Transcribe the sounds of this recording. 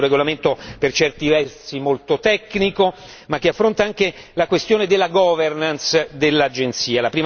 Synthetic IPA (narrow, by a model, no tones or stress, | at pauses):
urːeɡolament̪opert͡ʃɛrt̪ivɛrsimolt̪ot̪ɛkːniko | makːeafːɾont̪aaŋke | lakwest̪joːned̪elːaɡɔvernansd̪elːad͡ʒent̪siːalapɾiːm